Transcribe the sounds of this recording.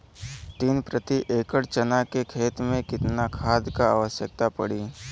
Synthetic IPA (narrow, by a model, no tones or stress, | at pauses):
t̪iːnpɾət̪iʔeːkəɽt͡ʃɐnakekʰeːt̪mẽkɪt̪nakʰaːd̪kaa̰ːʋəʃjək̚t̪apɐɽiː